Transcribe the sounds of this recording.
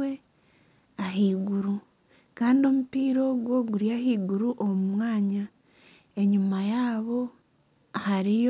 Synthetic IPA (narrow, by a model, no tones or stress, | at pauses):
e | aɦiːɡuɾu | kaːndio̞mupiːɾo̞ɡwo̞ɡuɾjahiːɡuɾuʔomumwaːɲa | e̞ɲumajaːβo̞ | ahaɾij